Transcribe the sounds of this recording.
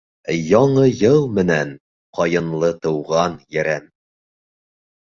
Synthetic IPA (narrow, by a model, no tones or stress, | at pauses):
jɒɴɤjɤlˠmɘ̆næn | qɒjɤ̆nlˠɤt̪ɤ̆wʁɑnjæɾæm